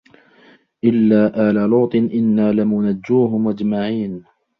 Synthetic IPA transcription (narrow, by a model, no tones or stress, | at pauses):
ʔɪlːaːʔaːlaloːt̪ˤɨnʔɪnːaːlɪmʊnad͡ʒːuːɦʊmʔad͡ʒmaʕiːn